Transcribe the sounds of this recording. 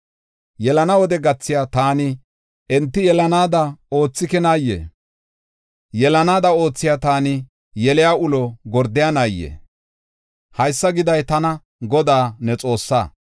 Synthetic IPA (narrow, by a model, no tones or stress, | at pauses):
jɛlɐnɐwɔd̪ɛɡɐt͡sːɪjaːt̪aːnɪ | ʔɛnt̪ːɪjɛlɐnaːd̪ɐo̞ːt͡sːɪkɛnaːjːḛː | jɛlɐnaːd̪ɐo̞ːt͡sːɪjaːt̪aːnɪ | jɛlɪjaːʊlɔɡɔɾd̪ɪjaːnaːjːḛː | hɐjsːɐɡɪd̪ɐjt̪ɐnɐ | ɡɔd̪aːnɛt͡sʼo̞ːsːa̰ː